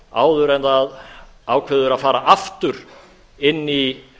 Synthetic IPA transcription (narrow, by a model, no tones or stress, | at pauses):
a̰ːwðʏɾɛnt̪aðaːwkʰvɛːðʏɾaðfaːɾaʔaft̪ʏɾ̥ | ɪnːi